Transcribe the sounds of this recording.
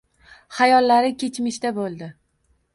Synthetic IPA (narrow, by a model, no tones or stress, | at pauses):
hajɒlːaɾɪkʲʰe̞t͡ʃʰmɪʃt̪abolˠd̪ɪ